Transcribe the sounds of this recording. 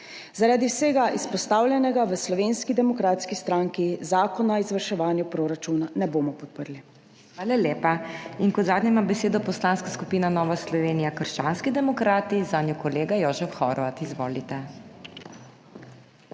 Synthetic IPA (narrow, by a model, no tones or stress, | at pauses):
zaɾaːd̪iwseːɡaʔispɔst̪aːwlʲjɛnɛɡaʋəslɔʋeːnskid̪ɛmɔkɾaːt̪skist̪ɾaːŋkizaːkɔnaizʋəɾʃɛʋaːnjupɾoːɾat͡ʃunanɛboːmɔpɔt̪̚pəɾli | xʋaːlalʲjeːpainkɔd̪zaːd̪ɲɛmabɛseːd̪ɔpɔslaːnskaskupiːnanɔːʋaslɔʋeːnijakəɾʃt͡ʃaːnskid̪ɛmɔkɾaːt̪izaːnʲjɔkɔleːɡajɔːʒɛfxɔɾɔʋat̪izʋɔːlit̪ɛ